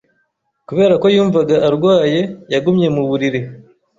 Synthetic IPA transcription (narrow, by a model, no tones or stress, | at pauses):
kuβe̞ːɾako̞juːɱvaɡaʔːɾɡwaːje̞jaɡumɲe̞muβuɾiɾi